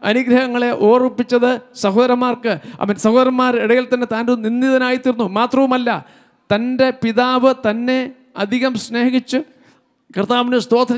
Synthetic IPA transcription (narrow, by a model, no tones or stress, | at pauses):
ɐ̰nuɡɾɐhɐŋːɐɭe̞ʔo̞ːrupːit͡ɕːɐðɨsɐɦoːðɐɾɐmːaːrkɨɐ̰ʋɐnsɐhoːðɐɾɐmːaːreɽɐjilt̪ɐnːe̞t̪aːnduninːiðɐnaːjit̪ːiɾunːumaːt̪rɐʋumɐlːɐ | t̪ɐnde̞piðaːʋɨt̪ɐnːe̞ | ɐd̪ʱiɣɐmsne̞ːɣit͡ɕːɨ | krɨt̪aːʋinɨst̪o̞ːd̪ʰʱɐn